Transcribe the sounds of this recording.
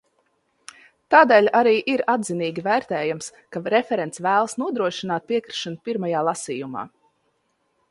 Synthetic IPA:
t̪aːd̪eːlʲaɾiːʔiɾad̪ziniːɡʲivæːɾt̪ɛːjamskaɾɛfɛɾɛnt̪svæːlˠsnuɔd̪ɾuɔʃinaːt̪̚piɛkɾi̥ʃanupiɾmajaːlˠasiːjuma̰ː

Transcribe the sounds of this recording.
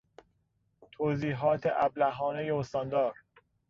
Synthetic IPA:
t̪ʰoːziːɦɒːt̪ʰeʔæblæɦɒːnejeost̪ɒnd̪ɒːɾ

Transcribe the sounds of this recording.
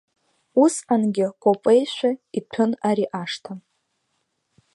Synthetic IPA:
usħanɡʲɪkʷʼopʼejʃʷᶣaitʰʊnaɾiʔaʂtʰam

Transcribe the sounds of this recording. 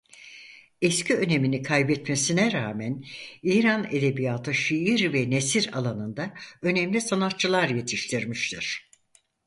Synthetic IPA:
ɛscʰiø̞ne̞minikʰajbɛt̪mesinɛɾaːmæniːɾaned̪e̞bijaːt̪ʰɯʃiiɾvɛnesiɾa̰lˠanɯnd̪aø̞nɛmlʲisanat̪t͡ʃɯlˠaɾje̞t̪ʰiʃt̪ʰiɾmiʃt̪ʰiɾ̥

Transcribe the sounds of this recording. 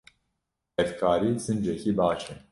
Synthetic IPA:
hɛfkʰaːɾiːzɨnd͡ʒɛkiːbaːt͡ʃɛ

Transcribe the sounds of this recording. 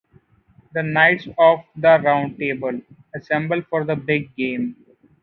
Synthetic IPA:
d̪ənaɪʈsɔːʋd̪əɾãʊ̃ɳɖ̚ʈeːbəl | əsɛ̃mbəlfɔːɾd̪əbɪɡ̚ːẽːm

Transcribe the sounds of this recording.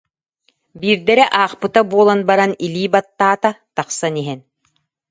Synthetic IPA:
biːɾd̪ɛɾɛʔaːχpɯt̪abuɔlˠanbaɾaniliːbat̪ːaːt̪at̪aχsaniɦɛn

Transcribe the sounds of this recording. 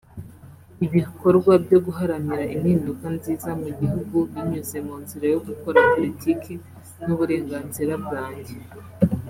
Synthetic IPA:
iβiko̞ɾɡwabɟo̞ɡuɦaɾaniɾaʔin̥hiːndukanziːzamuɟihuɡuβiɲuze̞muːnziɾajo̞ɡuko̞ɾapo̞litʰikʰi | nuβuɾe̞ːŋɡaːnziɾab̚ɡaːɲɟe

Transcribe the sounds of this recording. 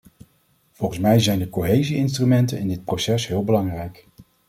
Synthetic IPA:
v̥ɔlˠχənsmɛjzɛjndəkoɦejziɪnstrymɛntənɪndɪt̚prosɛsɦɪːlˠbəlɑŋrɛjk

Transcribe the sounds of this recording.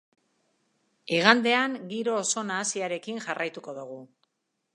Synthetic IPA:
iɣ̞and̪e̞aŋɡiɾo̞ːso̞naːsiaɾe̞kiŋʝarajt̪uko̞ðuɣ̞u

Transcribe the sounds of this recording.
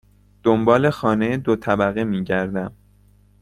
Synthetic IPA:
d̪̥ombɒːle̞xɒːnejed̪ot̪ʰæbæɣemiːɟæɾd̪æm

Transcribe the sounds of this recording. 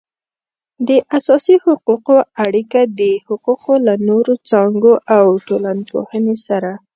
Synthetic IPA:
d̪əʔasɑsihʊquqoaɽikad̪əhʊquqolanoɾot͡sɑŋɡoʔawʈolanpo̰hənesaɾa

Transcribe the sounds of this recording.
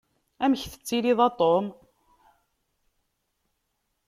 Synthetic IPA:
æmçθə̥t͡sːiliðˤɑt̪ˤːom

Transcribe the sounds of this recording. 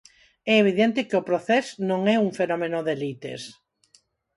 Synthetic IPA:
ɛeβiðɛnt̪ɪkeopɾoθɛznõŋɛuŋfenɔmenoðelit̪ḛs

